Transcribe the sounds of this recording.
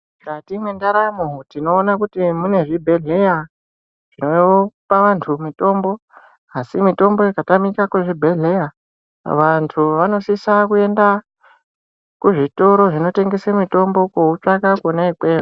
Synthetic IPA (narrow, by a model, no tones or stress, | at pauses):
katimwendaɾamutino̞ːnakutimune̞ʐibʱe̞ɮe̞ja | ʐ̥ino̞paʋantʰumito̞mbo̞ | asimito̞mbo̞ikatamikakuʐibʱe̞ɮe̞ja | ʋantʰuʋano̞sisakue̞nda | kuʐito̞ɾo̞ʐino̞te̞ŋɡe̞semito̞mbo̞kout͡ʂakakonaikweːro